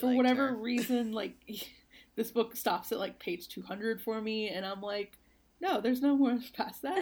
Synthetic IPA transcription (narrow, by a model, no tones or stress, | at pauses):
fə˞wʌɾɛvə˞ɹizɨ̃nlaɪk̚ | ðɪsb̥ʊkstɑpsɨʔlaɪk̚pʰeɪd̥ʒ̥tʰʉhʌ̃ndɹɨd̥fə˞miɨ̃ñãɪ̃mlaɪk | noʊðə˞znoʊmɔɹ̥pʰæsðæt̚